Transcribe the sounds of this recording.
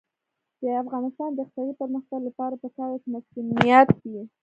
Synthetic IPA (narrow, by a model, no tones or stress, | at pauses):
d̪̥əafɣɑnɪst̪ɑnd̪əxt̪awipəɾməxt̪aɡlapɑɾapəkɑwakemasunijat̪ːi